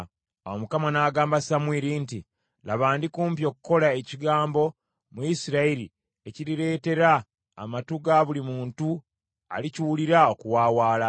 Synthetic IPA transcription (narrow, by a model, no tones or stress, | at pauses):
owomukamanaːɡaːmbasamwiːɾinti | laβaːndikuːmpjo̞kuko̞lae̞ciɡaːmbo̞ | muisiɾaiɾi | e̞ciɾiɾe̞ːte̞ɾa̰ː | matuɡaβulimuːntu | a̰liciwuliɾao̞kuwaːwaːla